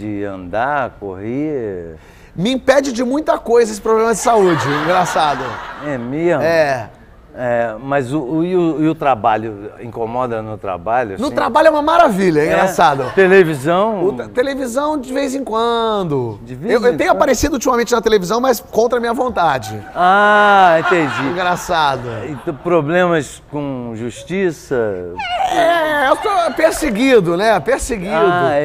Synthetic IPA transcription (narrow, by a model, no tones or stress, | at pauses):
d͡ʒɪɐ̰̃nd̪akohe | mɪĩpɛd͡ʒɪd͡ʒɪmũj̃t̪ɐkojzɐesɪ̥pɾobvlɐ̃mɐd͡ʒɪsaud͡ʒɪĩŋɡɾasad̪ʊɛmeɛ | ɛmɐzʊɪʊɪʊt̪ɾabaʎʊḭ̃komɔd̪ɐnʊt̪ɾa̰baʎʊɐsnʊ̃ɾabaʎjʊɛũmɐmaɾaviʎɐɛĩŋɡɾasad̪ʊt̪elevizɐ̃w̃ʊt̪elevizɐ̃w̃d͡ʒɪvejzẽŋkwɐ̃d̪ʊd͡ʒɪvewewt̪ẽj̃ʊapaɾesid̪ʊut͡ʃimɐmẽnt͡ʃɪnɐt̪elevizɐ̃w̃mɐskõnt̪ɾɐmĩɲɐvõnt̪ad͡ʒɪaẽt̪ẽd͡ʒiĩɡɾasad̪ʊt̪pɾoblẽmɐs | kõʒuʃt͡ʃisɐ | ɛɛewsopeɾseɡid̪ʊnɛpeɾseɡid̪ʊɛ